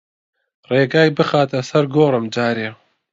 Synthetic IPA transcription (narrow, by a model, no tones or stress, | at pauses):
reːɡaːjbɨxaːt̪ɐsɐɾɡoːɾɨmd͡ʒaːɾeː